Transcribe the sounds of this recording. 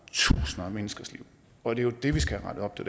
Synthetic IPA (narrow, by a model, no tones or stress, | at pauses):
t͡sʰṵːsnmenəsɡ̥ɐslḭʊ̰ | ɒ̽d̥e̝jo̝d̥e̝ʋisɡ̥æʁɑ̈ɾ̥əɒ̽b̥̚t͡sʰe̝d̥